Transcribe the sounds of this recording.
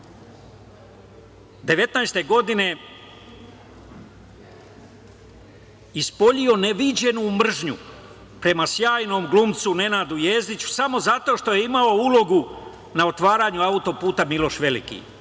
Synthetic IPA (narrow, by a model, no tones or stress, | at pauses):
d̪e̞ʋe̞t̪najst̪e̞ɡo̞d̪ine̞ | ispo̞ʎio̞ne̞ʋid͡ʑe̞numr̩ʒɲu | pɾe̞masjaːjno̞ːmɡluːmt̪sune̞naːd̪ujeːzd̪it͡ɕu̥samo̞zat̪o̞ʃt̪o̞je̞imao̞ulo̞ɡu | nao̞t̪ʋaːɾaːɲuaut̪o̞puːt̪amilo̞ʃʋe̞lḭkḭ